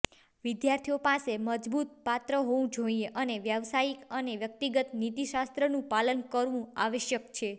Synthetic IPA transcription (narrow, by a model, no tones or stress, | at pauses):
ʋid̪jaɾt̪ʰijopaseməd͡ʒbut̪̚pat̪ɾəɦoʋũd͡ʒoieʔəneʋjəʋsaikəneʋjək̚t̪iɡət̪nit̪iʃast̪ɾənũpalənkəɾʋũaʋeʃjəkt͡ʃʰe